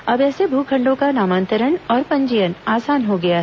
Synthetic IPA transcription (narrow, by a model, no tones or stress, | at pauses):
ɐbɛːsebʱuːkʰɐ̃ɳɖõkanaːmãːnt̪əɾəɳɔːɾpɐ̃ɲd͡ʒəjənaːsaːnɦoɡɐjaɦ